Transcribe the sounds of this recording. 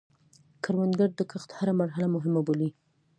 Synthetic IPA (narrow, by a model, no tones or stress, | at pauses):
kaɾwand̪ɡaɾd̪əkəxt̪haɾamaɾɦalamʊɦɪmaboli